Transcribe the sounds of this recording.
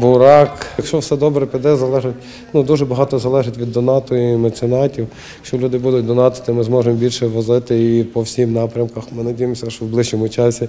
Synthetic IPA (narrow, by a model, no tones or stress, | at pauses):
bʊɾɑkjɐkʃt͡ʃɔwsɛd̪ɔbɾɛpʲid̪ɛzɐlˠɛʒɪtʲ | nud̪uʒɛbɐɦɑt̪ɔzɐlˠɛʒɪtʲʋʲid̪ːɔnɑt̪ɔimɐt̪sɪnɑtʲiw | kʃt͡ʃɔlʲud̪ɪbud̪ʊt̚ʲd̪ɔnɑt̪ɪ̥t̪ɪmɪzmɔʒemɔbʲilʲʃɛʋɔzɪt̪ɪipɔwsʲimnɑpɾʲɐmkɐxmɪnɐdʲijemɔsʲɐʃwblˠɪʒɲɔmʊt͡ʃɑsʲi